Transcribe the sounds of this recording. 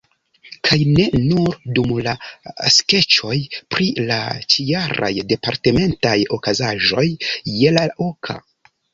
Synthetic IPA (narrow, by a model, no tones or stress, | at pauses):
kʰajne̞nuɾdumlaske̞t͡ʃo̞jpɾila̰t͡ʃijaɾa̰jde̞paɾte̞me̞ntajo̞kazaʒo̞jːe̞laʔokʰa̰